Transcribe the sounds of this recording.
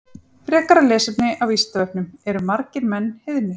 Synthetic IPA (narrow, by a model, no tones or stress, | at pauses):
fɾɛːhkaɾalɛːsɛp̪nɪʔavist̪avɛpnʏmɛɾʏmaɾcɪɾmɛnːhɪðnʏ